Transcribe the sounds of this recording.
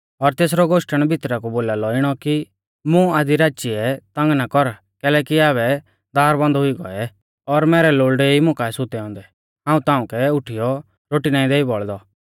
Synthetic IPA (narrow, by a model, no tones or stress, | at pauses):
ɔɾt̪eːs̬ɾɔɡoːʃʈəɽ̃bʱɪt̪ɾakuboːlaːlɔɪɽ̃ɔki | mũaːd̪iɾaːt͡ʃiɛt̪ɐ̃ŋɡnakɔɾ | kɛːlɛːkiaːβɛ | d̪aːɾbɔ̃nd̪ɦʊiɡɔ̰ɛ | ɔɾmɛːɾɛloːɭɖeimʊ̃kaːɛsʊt̪ɛɔ̃ːnd̪ɛ | ɦãːũt̪ãːũkɛʊʈʰijɔ | ɾoːʈinaːĩd̪eːibɔɭd̪ɔ